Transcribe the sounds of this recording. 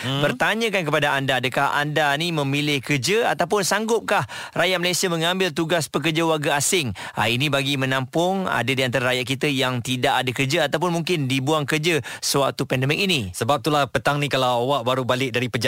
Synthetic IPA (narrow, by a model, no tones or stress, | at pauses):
bərt̪aɲə̃kank̬əpadaandaːdəkaha̰ndanimə̃milɪhkərd͡ʒəat̪awpʊnsaŋɡʊp̚kahrajaʔ̚məlajsiamə̃ŋãmbɪlt̪uɡaspək̬ərd͡ʒawarɡaasɪŋa̰inibaɡimə̃nãmpʊŋa̰dadiant̪aɾaɾajaʔkit̪əjaŋt̪idaʔadakərd͡ʒəat̪awp̬ʊnmuŋkɪndibuaŋkərd͡ʒəsəwa̰k̚t̪upɛndɛmɪk̚inisəbap̚t̪ulahpət̪aŋnikalawawaʔ̚baɾubalɪk̚daɾipəd͡ʒa